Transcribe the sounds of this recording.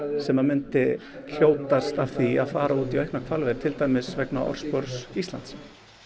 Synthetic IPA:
sɛmamʏnt̪ɪ | kʰjoːwt̪ast̪av̥θiaðfaːɾauːt̪iœɥhknakʰvalvɛɾt̪ʰɪlt̪aːjmɪsvɛknaʔɔ̰ɾ̥spœɾsist̪la̰nt̪s

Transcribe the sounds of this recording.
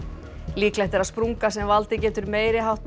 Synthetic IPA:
liːklɛht̪ɛɾaðspɾuŋkasɛmvalt̪ɪcɛːt̪ʏɾmeːjɾɪɦawht̪

